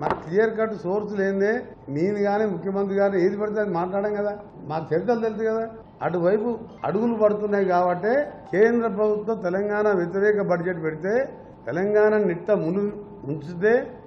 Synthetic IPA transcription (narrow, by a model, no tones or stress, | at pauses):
ma̰ːt̪ijɐɾk̬ɐʈːsoːɾsuleːnd̪eː | niːniɡaːniːmukʰːjɐmɐnt̪̬ɾiɡaːnieːd̪ipɐɽit̪eːɐnimaːʈlaːɽɐŋɡɐd̪aː | maːkut͡ʃeɾt̪̬ɐlt̪̬elit̪ukɐd̪aː | ɐ̰ʈuʋɐjpu | ɐ̰ɽuɡulupɐɽut̪unːaːjkaːbɐʈːeːkeːnd̪ɾɐp̬ɾɐbʱut̪wɐ̃mt̪ɛlɐŋɡaːnɐʋjet̪̬iɾɛːkɐbɐɾd͡ʒeʈːpeɽit̪e̞ː | t̪ɛlɐŋɡaːnɐniʈːɐmunu | muɲt͡ʃud̪eː